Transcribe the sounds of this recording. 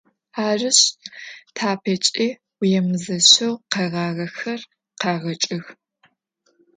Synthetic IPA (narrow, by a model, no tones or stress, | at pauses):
aːrɨɕtʰaːpʰɐt͡ʃʼiː | jɛmɨzɐɕɐwqɐʁɑːʁɐxɐr | qɑːʁɐt͡ʃʼɪx